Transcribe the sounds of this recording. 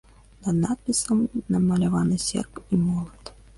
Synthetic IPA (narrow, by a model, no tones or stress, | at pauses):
nɐd̪nat̪̚pʲisɐmnɐmɐlʲavanɨsʲɛ̰rkimɔlˠɐt̪